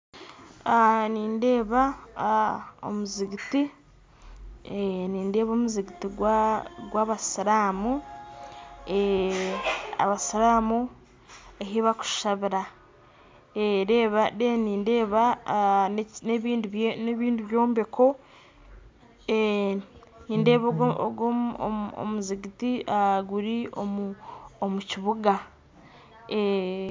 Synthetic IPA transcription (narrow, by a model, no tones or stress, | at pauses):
aniːnde̞ːβa | o̰muziɡiti | niːnde̞ːβoːmuziɡitiɡwɡwaβasiɾaːmu | e | a̰βasiɾaːmu | eɦiβaku̥ʃaβiɾa | eɾeːβadeniːnde̞ːβa | neβiːndiβneβiːndiβjo̞ːmbe̞kʰo̞ | e | niːnde̞ːβo̰ɡo̰o̰muziɡitiaɡuɾiomuomuciβuɡa | e